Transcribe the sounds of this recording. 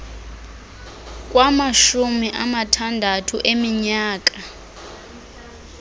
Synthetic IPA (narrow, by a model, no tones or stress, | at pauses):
k̬ʼwamaʃumiʔamatʰandʱatʰuʔemiɲaːk̬ʼa